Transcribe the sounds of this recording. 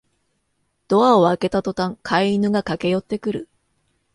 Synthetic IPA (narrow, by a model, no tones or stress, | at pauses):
d̪̥o̞aoake̞t̪at̪o̞t̪ãŋkʰaiinɯ̟ɡakake̞jo̞t̪ːe̞kɯ̟ɾɯ̟